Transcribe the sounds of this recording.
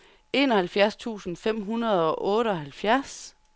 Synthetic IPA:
e̝ːnɒhælfjæɐst͡sʰṵːsn̩fem̰ɦunɐð̞̩ˠɒ̽ʔɔ̽ːɾəɒ̽ɦælfjæɐ̰s

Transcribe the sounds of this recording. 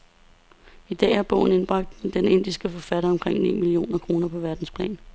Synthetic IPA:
id̥ɛ̰ːhæɐb̥ɔ̰̽ʊ̰n̩e̝nb̥ʁɑ̈ɡ̥̚d̥d̥ene̝n̰d̥isɡ̥əfɒ̽fæɾɐɒ̽mkʰʁeŋ̰nḭːmilio̝̰ːnɐkʰʁo̝ːnɐpʰɒ̽ʋæɐd̥n̩spʰlɛ̰ːn

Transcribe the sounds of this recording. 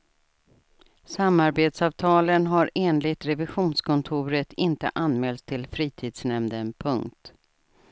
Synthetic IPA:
samaɾbeːt̪sɑːvt̪ʰɑːlənɦaɾeːnlɪt̪ɾɛvɪɧuːnskʰɔnt̪ʰuːɾət̪ɪnt̪ə̰ʔanmɛːlt̪ʰːɪlfɾiːt̪ʰiːd̪snɛmd̪ənpʰɵŋkt̪

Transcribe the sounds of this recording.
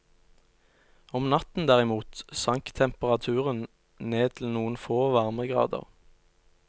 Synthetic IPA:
ɔmnɑt̪n̩d̪æːʁɪmuːt̪sɑŋkt̪ʰɛmpəʁɑt̪ʰʉːʁən | neːt̪ʰl̩nuːənfoːʋɑʁməɡʁɑ̰ːd̪ə̰ʁ

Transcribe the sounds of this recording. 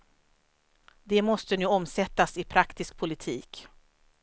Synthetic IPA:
d̪ɛmɔst̪ənʉ̟ːɔmsɛt̪ːasɪpʰɾakt̪ɪsk̚pʰʊlɪt̪ʰiːk

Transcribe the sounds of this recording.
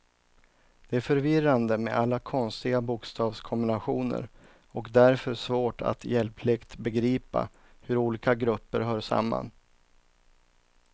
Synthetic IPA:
d̪̥ɛæɾfœɾvɪrand̪əmḛʔalːakʰɔnst̪ɪɡabʊkst̪ʰɑːvskʰɔmbɪnaɧuːnə̰ɾ | ɔkd̪æɾfœʂvoːʈa̰t̪jɛlpʰlɪkt̪bɛɡɾiːpa̰ | hɵɾuːliːkaɡɾɵpːəɾɦœːʂa̰mːa̰n

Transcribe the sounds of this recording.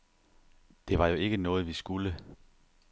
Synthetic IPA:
d̥e̝ʋɑ̈jo̝e̝ɡ̥ənɔ̽ːð̩ˠʋisɡ̥ulə

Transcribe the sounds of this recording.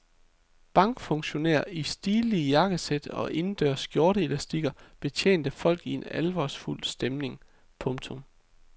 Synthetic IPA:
b̥ɑ̈ŋɡ̥fɔ̽ŋɕo̝næ̰ɐ̰isd̥iːlijɑ̈ɡ̥əsed̥ɒ̽ʔe̝nd̥ø̰ɐ̰sɡ̥jo̝ɐɾəelæsd̥iɡ̥ɐb̥e̝t͡ɕʰjḛːnd̥əfɒ̽l̰ɡ̥ie̝nælʋɒ̰sful̰sd̥emne̝ŋ | pʰɔ̽ŋt͡sʰom

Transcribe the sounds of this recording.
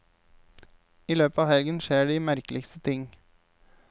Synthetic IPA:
iːløːpəɑːhɛlɡənʃeːɖiːmæɾklɪkst̪ət̪ʰɪŋ

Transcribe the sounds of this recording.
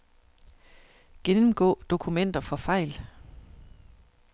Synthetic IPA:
ɡ̥enm̩ɡ̥ɔ̰̽ːd̥o̝kʰumen̰d̥ɐfɒ̽fɑ̈ɪ̰l

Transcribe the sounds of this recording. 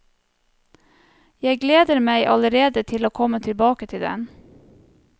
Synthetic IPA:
jæɪɡleːd̪əɾmæɪʔɑ̰ləɾeːd̪ət̪ʰɪloːkʰɔmət̪ʰɪlbɑːkət̪ʰɪld̪ɛ̰n

